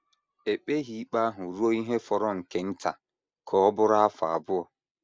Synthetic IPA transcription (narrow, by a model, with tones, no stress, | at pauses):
e˨k͡pe˦ɦi˨˦k͡pa˦ɦʊ˨ɾu˦o˦i˦ɦe˦fɔ˨ɾɔ˦ŋ̩˨ke˨n̩˦ta̰˨ | kʰɔ˨ɔ˦bʊ˦ɾa˦a˦fa˨a̰˨bʊ˦ɔ˨